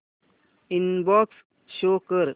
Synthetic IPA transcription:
inbɔks | ʃoːkəɾ

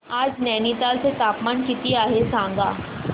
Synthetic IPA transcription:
aːd͡ʒnɛːnit̪aːlset̪aːpmaːnkɪt̪iaːɦesãːŋ̆ɡaː

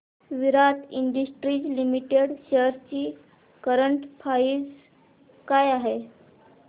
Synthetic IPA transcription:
ʋiɾat̪ʰiɳɖəsʈɾiːd͡ʑlimiʈeɽɕeɾt͡ɕiː | kəɾəɳʈpʰaiːd͡z | kajaɦe

